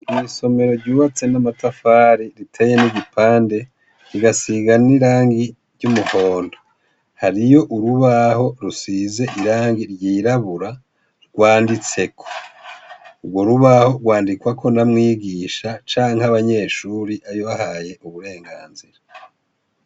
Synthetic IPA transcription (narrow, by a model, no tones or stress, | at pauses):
iso̞me̞ɾo̞ɾɟuːβat͡se̞namatafaːɾiɾitʰeje̞niɟipʰaːnde̞ | ɾiɡasiɡaniɾaːŋɡi | ɾɟumuho̞ːndo | haɾijo̞ʔuɾuβaho̞ɾusize̞ʔiɾaːŋɡiɾɟiːɾaβuɾa | ɾɡ̥waːndit͡se̞kʰo̞̥ | uɡwo̞ɾuβaho̞ɾɡwaːndikwakʰo̞namŋiːɡiːʃat͡ʃaːŋhaβaɲe̞ːʃuːɾiʔajo̞βahaje̞ʔuβuɾe̞ːŋɡaːnziɾa